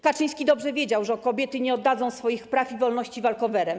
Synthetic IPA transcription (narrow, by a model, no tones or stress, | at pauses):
kat͡ʂɘj̃skʲid̪ɔbʐɛvʲjed͡ʑawʐɛkɔbʲjɛt̪ɘɲɛɔd̪ːad̪zɔ̃w̃sfɔjixpɾafivɔlnɔɕt͡ɕivalkɔvɛɾɛm